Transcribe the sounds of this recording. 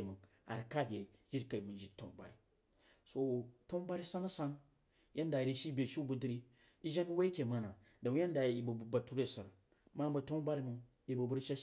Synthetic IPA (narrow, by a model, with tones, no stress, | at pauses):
mɨ˨ŋ | a̰˨ɾi˨ka˦bʲe˨d͡ʒi˦ɾka˨i˨mu˨d͡ʒi˦to̰˦ŋba̰˨ɾi˨ | so˨to˦ŋ˦ba˦ɾi˦sa˦ŋ˦sa˦ŋ˦ | ja˦nda˨i˨ɾi˨ʃi˦bʲe˨ʃu˦bu˨di˦ɾi˦ | i˦ʒe˦n˦we˦i˦kʲe˨ma˨na˨ | da˨˦ja˦n˦da˨ji˨bu˨bu˨ba˨tu˦ɾe˦˨sa˨ɾ | ma˦ba˨to˦ŋ˦ba˦ɾi˦mu˨ | i˨bu˨bu˦ɾʃe˦